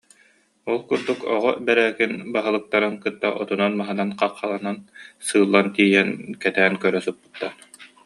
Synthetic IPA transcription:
ɔlˠkuɾd̪ukɔʁɔbɛɾæːkinbaɦɯlˠɯk̚t̪aɾɯnkɯt̪ːaʔɔt̪unɔnmaɦɯnanqɑqːalˠanansɯːlˠːant̪iːjɛnkɛt̪æːnkœɾœsupːɯ̥t̪ːa

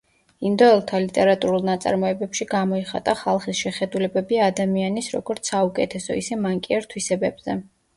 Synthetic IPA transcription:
ind̪ɔɛlˠt̪ʰalit̪ʼɛɾat̪ʼuɾulˠnat̪sʼa̰ɾmɔɛbɛpʃiɡamɔiχa̰t̪ʼaχalˠχisʃɛχɛd̪ulɛbɛbiad̪amianisɾɔ̰ɡɔɾt̪sʰaukʼɛt̪ʰɛsɔ̰isɛmaŋkʼiɛɾt̪ʰwisɛbɛbzɛ

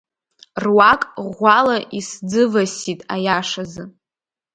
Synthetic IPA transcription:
rwakʼʁʷalaʔisd͡zɨvasitʼajaʂazɨ

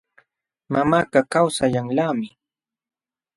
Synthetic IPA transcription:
mamaːɢɑkawsaʎaŋlaːmɪ

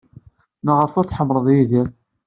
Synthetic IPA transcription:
nəʁəɾfʊɾθħəmːɾˤəðˤjiðiɾ

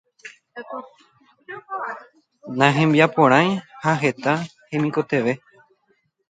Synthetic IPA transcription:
nãɦẽmbiapõɾ̃ãj̃haɦe̞t̪ahẽmĩko̞t̪e̞ʋe̞

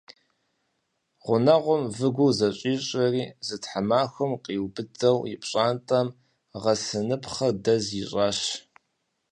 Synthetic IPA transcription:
ʁʷʊnɐʁʷʊmvɨɡʷʊzɐɕʼiːɕʼɐriːzɨtħamaːxʷʊmqʼiːwbɨdɐwjɪpʼɕʼaːntʼɐm | ʁɐsɨnɨpχɐrdɐzɪɕʼaːɕ

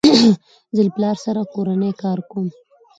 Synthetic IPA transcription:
zɪlplɑɾsaɾakoɾanəjkɑɾkom

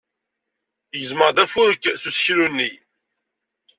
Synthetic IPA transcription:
jəzməʁd̪æfuɾkːθusçɾunːi

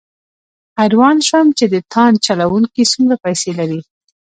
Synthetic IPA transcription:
haɾwɑnʃamt͡ʃed̪ət̪ʰɑnt͡ʃalawuŋkisumɾapajselaɾi

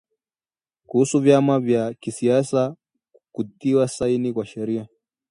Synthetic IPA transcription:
kusuvjamavjakisijasa | kud̪iwasainikʷwaʃɐɾija

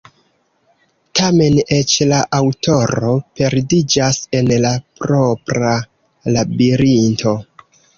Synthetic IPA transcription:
tʰame̞ne̞t͡ʃlaʔawtʰo̞ɾo̞pe̞ɾdid͡ʒase̞nlapɾo̞pɾa | labiɾinto̞

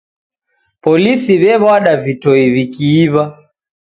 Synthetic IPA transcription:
pɔlisiβɛβwaɗavitɔiβikiːβa

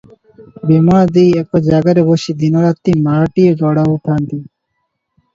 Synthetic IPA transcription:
bemad̪ejɛk̚ʈad͡ʑaɡaɾeboʃid̪inoɾat̪ːimaɾaʈieɡɔɽaup̪ʰant̪i

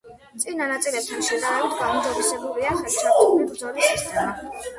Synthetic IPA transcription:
t̪sʼinanat̪sʼilɛp̚st̪ʰanʃɛd̪aɛd̪ɡamzɔɾisɛbuliaχɛamɛbɾd̪zɔliʃɛst̪ʰa

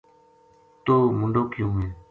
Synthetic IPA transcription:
t̪oːmʊ̃ɳɖoːkɪjũːɦẽː

